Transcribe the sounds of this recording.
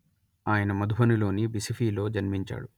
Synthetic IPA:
aːjɐnɐmɐd̪ubɐnilo̞ːnibisipʰiːlo̞ːd͡ʒɐnmiɲt͡ʃa̰ːɽu

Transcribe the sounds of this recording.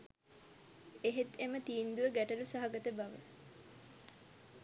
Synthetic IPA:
eɦet̪emət̪iːnd̪uʋəɡæʈəlusaɦaɡət̪əbaʋə̰

